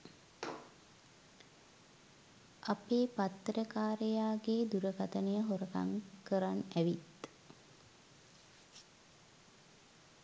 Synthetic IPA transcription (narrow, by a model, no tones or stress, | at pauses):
ʔapeːpat̪ːɾəkaːɾəjaːɡeːd̪uɾəkat̪ənəjəɦoɾəka̰ŋkəɾanæʋit̪